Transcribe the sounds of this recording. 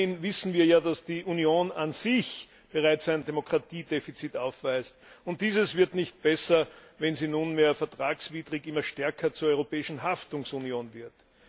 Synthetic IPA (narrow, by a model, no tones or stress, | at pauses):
ɪnvɪsn̩viːɐjaːdasd̥iːʔunjoːnanz̥ɪç | b̥əʁaɪt͡sæɪndemokʁ̥atʰiːdefit͡sitaʊfv̥æɪstʊnt̚d̥iːzəsv̥ɪɐtnɪçt̚b̥ɛsɐvɛnziːnunmeːɐfɛɐtʁ̥aːksv̥iːdʁɪkɪmɐʃtɛɐkʰɐt͡suːɐɔʏʁopɛːɪʃn̩ɦaftʊŋsunjoːnvɪɐt